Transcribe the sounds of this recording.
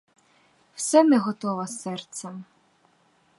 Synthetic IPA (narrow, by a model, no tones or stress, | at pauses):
wsɛmɛɦɔt̪ɔʋɐsɛrt̪sɛm